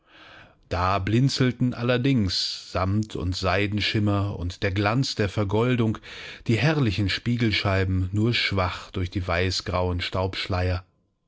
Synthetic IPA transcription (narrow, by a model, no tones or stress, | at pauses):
d̥aːblɪnt͡sl̩tn̩ʔalɐdɪŋsz̥amtʰʊ̰ntz̥aɪdn̩ʃɪmɐʊ̰ntd̥eːɐɡlant͡sd̥eːɐfɛɐɡɔldʊŋd̥iːɦɛʁlɪçn̩ʃpiːɡl̩ʃaɪbm̩nuːɐʃv̥aχd̥ʊɐçd̥iːvaɪsɡ̥ʁaʊənʃtaʊpʃlaɪɐ